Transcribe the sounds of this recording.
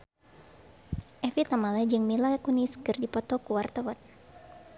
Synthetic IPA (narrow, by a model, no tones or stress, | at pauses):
ʔɛfit̪amalad͡ʒɨŋmilakuniskɨrdipɔt̪ɔkuwart̪awan